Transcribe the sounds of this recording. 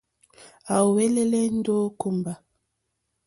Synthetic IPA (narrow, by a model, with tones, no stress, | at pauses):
a˨wɛ˦lɛ˦lɛ˦n̩˦do˦ku˦mba˨